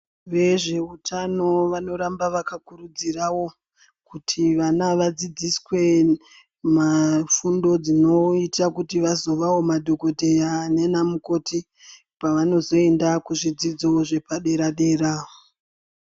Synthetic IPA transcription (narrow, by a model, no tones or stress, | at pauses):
ʋe̞ʐe̞utʰano̞ʋano̞ɾambaʋakakurud͡zirawo̞ | kutʰiʋanaʋad͡zid͡ziswe̞ | mafundo̞d͡zino̞itakutiʋazo̞ʋawo̞madʱo̞ko̞dʱe̞jane̞namuko̞tʰi | paʋano̞zo̞e̞ndakuʐid͡zid͡zoʐe̞paɗe̞ɾaɗe̞raːo